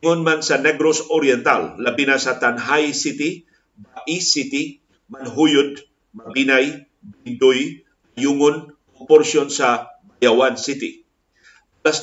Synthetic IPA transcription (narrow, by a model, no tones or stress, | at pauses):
onmansɐnɛɡɾosoɾjɛnt̪a̰lːɐbinasɐt̪anɦajsɪt̪ɪ | baʔisɪt̪i | mɐnɦujʊd̪̚ | mɐbiːnaj | bɪnd̪ʊj | mɐjuŋʊn | opɔɾsjonsɐbajawansɪt̪ɪ̰ | las